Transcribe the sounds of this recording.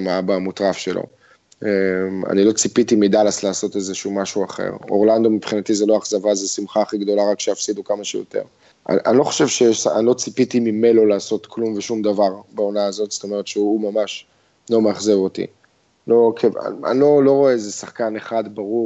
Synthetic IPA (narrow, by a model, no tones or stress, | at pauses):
mabamut̪ʁafʃe̞lo̰ | ema̰nilo̞t͡sipitimid̪alaslaːso̞tezeʃumaʃuaχḛʁo̞ʁland̪o̞mipχinat̪izeloaχzavazesimχaχiɡd̪o̞laʁakʃejafsidukamaʃejo̰te̞̰ʁ | a̰ʔanlo̞χo̥ʃe̞vʃeja̰nlo̞t͡sipit̪imimelo̞laːso̞t̪kʰlumveʃumd̪avaʁbao̞naːzo̞t̪st̪o̞me̞ʁet̪ʃeumamaʃ | lo̞meaχzevo̞t̪ḭ | lo̞kʰeva̰a̰nlo̞lo̞ʁo̞eezesaχkaneχadbaʁu